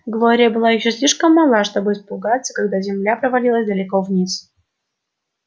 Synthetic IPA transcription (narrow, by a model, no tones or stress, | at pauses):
ɡlˠoɾʲɪjəbɨlˠajɪɕːosʲlʲiʂkəmːɑlˠaʂt̪obɨɪspʊɡat̪sːə̥kaɡd̪azʲɪmlʲapɾəvalʲilˠəsʲd̪ɐlʲɪkovnʲis